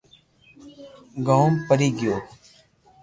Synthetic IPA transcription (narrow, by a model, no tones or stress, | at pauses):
ɡawmpəɾiːɡɪjoː